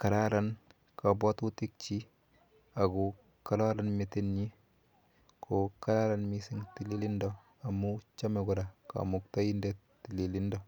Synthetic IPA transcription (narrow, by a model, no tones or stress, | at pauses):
kaɾaɾan | kabɔtutɪk̚t͡ʃi | aku | kalaɾanmitinɲi | kʰokaɾaɾanmisɪŋtililindɔ | amut͡ʃamɛɡʊɾaka̰muktainde | tːililindɔ